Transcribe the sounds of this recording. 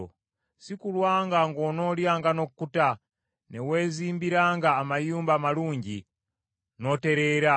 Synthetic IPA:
sikulwaŋɡaŋɡonoljaŋɡanokukuta | newezimbiɾaŋɡaːmajumbamaluːɲɟi | noteɾeɾa

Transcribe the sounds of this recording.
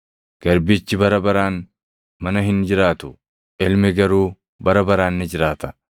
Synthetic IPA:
ɡ̥ɐɾbɪt͡ʃːɪbɐɾɐbɐɾaːn | mɐnɐɦɪnd͡ʒɪɾaːt̪ʊ̥ | ɪlmɛɡɐɾuː | bɐɾɐbɐɾaːnːɪd͡ʒɪɾaːt̪ɐ̥

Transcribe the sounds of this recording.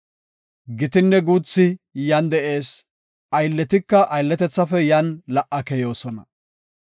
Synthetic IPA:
ɡɪt̪ɪnːɛɡuːt͡sːɪjɐnd̪ɛʔe̞ːs | ʔɐjlːɛt̪ɪkːɐʔɐjlːɛt̪ɛt͡sːɐfɛjɐnlɐʔɐkɛjo̞ːsɔnɐ̰

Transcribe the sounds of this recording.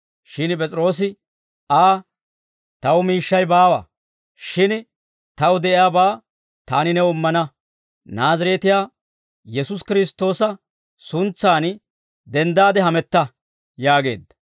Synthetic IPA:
ʃɪnp̬ʼɛt͡sʼɪɾo̞ːs̬ɪ | aː | t̪ɐwʊmiːʃːɐjbaːwɐ̰ | ʃɪn | t̪ɐwʊd̪ɛʔɪjaːbaː | t̪aːnɪnɛʊmːɐnɐ | naːzɐɾeːt̪ɪjaː | jɛsʊskɪɾɪst̪ːo̞ːsɐ | sʊnt͡sːaːn | d̪ɛnd̪aːd̪ɛɦɐmɛt̪ːɐ | jaːɡe̞̰ːd̪ːɐ̥

